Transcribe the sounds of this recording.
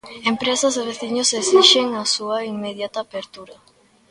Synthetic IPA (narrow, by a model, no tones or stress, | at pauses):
empɾesɐzeβ̞eθiɲosesiʃeŋasuɐiŋmeðjat̪aːpeɾt̪uɾɐ